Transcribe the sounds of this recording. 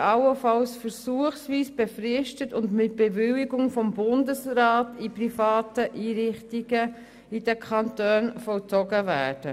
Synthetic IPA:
ɑwəfɑlsfəɾsuəχsviːsb̥efrɪʃtətʊndmɪt̚b̥evʏwɪɡʊŋfɔmbʊndəsɾɑːtiprifɑːtəʔiːɾɪχtiɡ̥ə | id̥əkʰɑntøːnfɔlt͡sɔɡəvæ̰ːɹd̥ə

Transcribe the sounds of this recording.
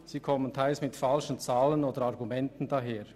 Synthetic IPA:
siːkʰɔməntʰaɪlsmɪtfalʃən̩t͡saːlənoːdəɾɑʁɡumɛntən̩dɑɦeːʁ

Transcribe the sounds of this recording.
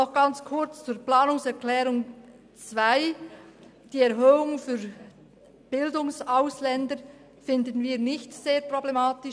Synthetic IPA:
nɔχɡ̥ɑnt͡skʰʊʁt͡st͡suːɾplaːnʊŋsɛʁklɛːʁʊŋ | t͡svaɪ | d̥iːɛʁɦøːʊŋfyɾ | b̥ɪldʊŋsaʊslɛndə | fɪndən̩viːɐnɪçtseːɐpʁ̥oblɛmaːtɪ

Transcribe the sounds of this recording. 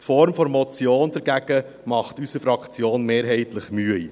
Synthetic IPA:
tfɔɾmfɔɾmɔt͡sjoːnd̥ɛɾɡæɡ̥ə | mɑχtysəfɾɑkt͡sjoːnmeːɾɦɛɪtləχmyəj

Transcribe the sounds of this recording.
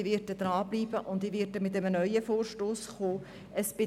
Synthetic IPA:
ivɪɾtəd̥̪ɾɑːbliːb̥əʔʊndivɪtəmɪtəmənœʏəfoːrʃtoːsχoː | əsb̥ɪ

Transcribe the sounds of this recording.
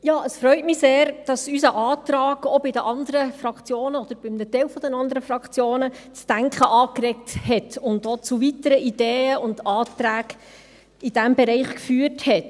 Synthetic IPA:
jɑːʔəsfɾœʏtmɪseːɾd̥ɑsysəʔɑːt̪ɾɑːɡɔbɪdəʔɑnd̪əɾəfrɑkt͡sjoːnəɔd̥əɾb̥ɪmnɛtɛlfɔd̥̪ɛnɑnd̪əɾəfrɑkt͡sjoːnət͡sd̥æŋkχəʔɑːkrɛk̚thɛtʊndot͡suvitəɾəʔid̥eːəʊndɑːt̪ɾæːɡ | id̥æmbɛɾɛɪχkfyːəthɛt

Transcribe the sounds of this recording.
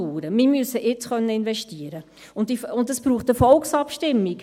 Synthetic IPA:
uːɾəmɪmyəsəʔɪt͡sχœnːəɪnvɛʃtiəɾə | ʊntiʊndəsb̥ɾuːχtəfɔlksɑpʃtɪmːik

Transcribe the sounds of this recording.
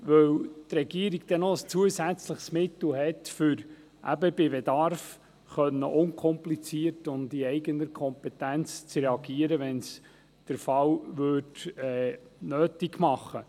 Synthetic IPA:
ʋœwt̪rɛɡiəɾiɡd̥̪ɛnɔəst͡suəsæt͡sləχsmɪt̪l̩hɛtfʏɾ | ʔæ̰bəbɪbedɑrf | χœnːəʔʊŋkʰɔmplit͡siəɾtʊndiɛɪɡənəɾkʰɔmpɛt̪ænt͡st͡srɛɑɡiəɾəʋɛns | d̥əɾfɑwʋødɛːnøːtiɡmɑχːə

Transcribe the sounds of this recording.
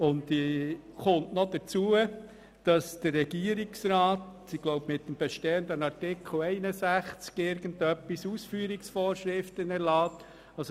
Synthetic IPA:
ʊndiχʊntnɔd̥ət͡suə | d̥ɑsd̥ərːɛɡ̥iəɾiksɾaːt | iɡ̥loʊbmɪt̚ːəmb̥ɛʃteːəndənɑɾtɪkʰl̩ɛɪnəsæχt͡skɪɾɡəndœpːisuːsfyːɾiksfoːɾʃɾɪftənɛɾlɑːt | ɑs

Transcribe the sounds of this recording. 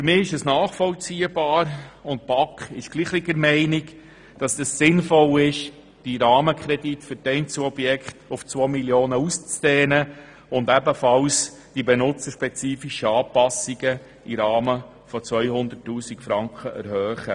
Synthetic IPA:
fʏɾmɪːɪʃəsnaːχfɔlt͡siːəb̥ɑːɾʊnt̚b̥ɑkχɪʃɡ̥liːχliɡəɾmɛɪnik | d̥ɑsɛssɪnfɔlɪʃ | d̥iɾɑːməkʰɾɛditfʏɾdɛɪnt͡suɔb̥jɛkχtʊft͡sʋoːmiljoːnəust͡sd̥ɛːnə | ʊndɛbəfɑls | d̥ibenʊt͡səʃpɛt͡siːfiʃəɑːpɑsiɡə | iɾɑːmə | fɔt͡sʋœʏhʊnd̪əɾtːuːsikfɾɑŋkχəʔɛ̰ɾhœːχə

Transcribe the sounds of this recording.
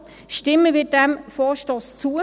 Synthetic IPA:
ʃtɪmːəvɪːdɛmfɔːʃtost͡suːə

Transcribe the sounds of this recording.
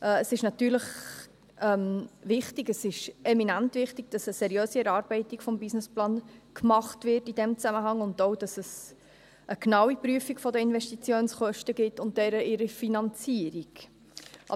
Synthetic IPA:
ʔəsɪʃnɑtyːɾləχ | ʔɛmvɪχtɪɡəsɪʃɛminæntvɪχtiɡ̥̚d̥ɑsəsɛɾjøːsiɛɾɑːɾbɛɪtikfɔmbɪsnɪsplɑːnkmɑχtvɪrtidɛmt͡sæməɦɑŋʊndoʊd̥ɑsəs | ʔəknɑwipɾyəfiɡfɔdəɪnvɛʃtit͡sjoːnsχœʃtəɡɪtːʊnt̚d̥ɛɾəʔɪɾifinɑnt͡siːəɾiɡ̥ | ʔɑ̰

